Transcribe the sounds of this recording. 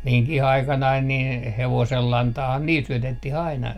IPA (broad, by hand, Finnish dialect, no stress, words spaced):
miŋkih ɑikɑnɑin nin heʋoselːɑntɑːhɑː niːl syøtet tih ɑinɑ